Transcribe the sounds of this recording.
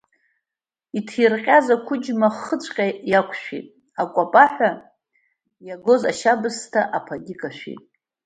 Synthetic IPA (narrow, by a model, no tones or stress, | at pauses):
itʰirqʲʼazakʷʰʊd͡ʒmaχət͡ʃʷʼqʲʼajakʷʰʼʃᶣḭtʼ | akʷʼapʼaħʷᶣa | jaɡo̞za̰ʃabɨstʰaʔapʰaɡʲɪkʼaʃʷᶣḭtʼ